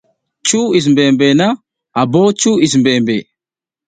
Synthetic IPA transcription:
t͡ʃːuːɪs̬mbeːmbeːnɐ | ɐbːoːt͡ʃːuːɪs̬mbeːmbeː

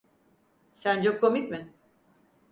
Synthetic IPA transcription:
sænt͡ʃʰokʰːomicʲmɪ

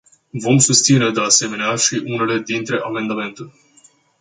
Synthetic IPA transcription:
vo̞msust̪sine̞d̪e̞ase̞me̞neaʃiʔune̞le̞d̪int̪ɾe̞ʔame̞nd̪ame̞nt̪ulʲ

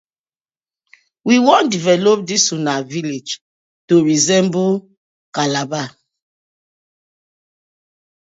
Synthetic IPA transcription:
wiwɔ̃ndivɛlop̚disunaviled͡ʒ | toɹizɛ̃mbu | kalaba

